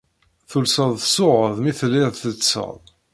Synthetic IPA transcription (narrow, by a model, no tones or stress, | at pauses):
θulsəðˤθsʊʕəðˤmiθəlːɪðθət͡sːə̰ðˤ